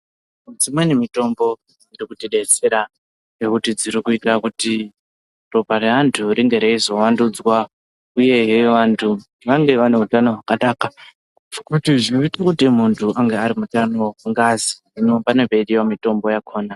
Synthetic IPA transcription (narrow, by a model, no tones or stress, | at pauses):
ud͡zimwenimito̞mbo̞ | irikutiɗet͡seɾa | nekutid͡ziɾikuitakuti | robʱareʋantʰuɾiŋɡe̞ɾeizo̞wandud͡zwa | uje̞ɦeʋantʰu | ʋaŋɡe̞ʋaneutanoɦakanaːka | kutiʐiitakutimuntʰuʔaŋɡeaɾimutanoŋɡazi̥ | inopane̞beɗiwamito̞mbo̞jakʰo̞ːna